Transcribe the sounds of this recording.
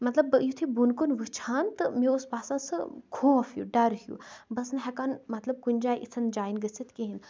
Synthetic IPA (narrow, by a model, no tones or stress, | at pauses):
mɐt̪lɐbjut̪ʰibunkunʋɨt͡ʃʰaːnt̪ɨmiuspaːsãnsɨkʰũɐfjṵɖɐɾhjṵbɐsnɦɛkanmɐt̪lɐb̚kunʲd͡ʒaːjʔit͡sʰɨnd͡ʒaːinɡəsit̪ʰkiɦin